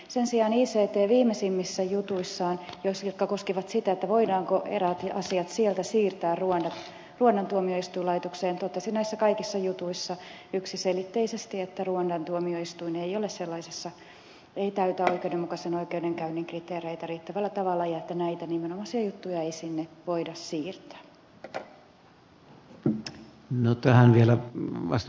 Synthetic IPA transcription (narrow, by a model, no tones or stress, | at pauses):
sensiɑːniːseːt̪eːʋiːmːesimːisːæjut̪uisːɑːnjoisiokːɑkoskiʋɑt̪sit̪æet̪ːæʋoidɑːŋkoʔḛræt̪ɑsiɑt̪sielt̪æsiːrt̪æːrruondɑt̪ | ruonːɑnt̪uomioist̪uilɑit̪okseːnt̪ot̪ːɑsinæisːækɑikisːɑjut̪uisːɑ | yksiselit̪ːeisest̪iet̪ːæruondɑnt̪uomioist̪uineijolesselːɑisesːɑ | eit̪æyt̪æoikeudemukɑsenoikeudeŋkæynːiŋkrit̪eːreit̪æriːt̪ːæʋælːæt̪ɑʋɑlːɑjɑet̪ːænæit̪ænimenomɑsiɑjut̪ːujɑeisinːeʋoidɑssiːrt̪æ̥ː | not̪æhænʋielæʋɑ̰st